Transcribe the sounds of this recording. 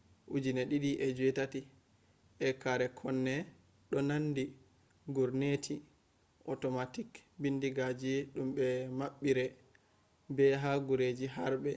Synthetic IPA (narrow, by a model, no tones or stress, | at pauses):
ʔud͡ʒinɛɗiɗiʔɛd͡ʒuwɛtati | ʔɛkaɾɛkʰɔnːɛ | ɗɔnandi | ɡuɾnetʰi | ʔɔtɔmatikbindiɡad͡ʒiɗumbɛmaɓːiɾɛ | bɛɦaɡuɾed͡ʒiɦaɾbɛ